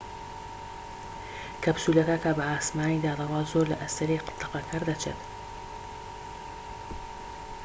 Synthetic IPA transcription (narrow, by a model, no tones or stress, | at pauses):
kʰɐbsuːlɐk̪akabɐaːsmaːnid̪aːd̪ɐwaːzoːɾlɐʔɐst̪ɐɾiqɨ̥t̪ːɨqɐkʰɐɾd̪ɐt͡ʃʰḛt̪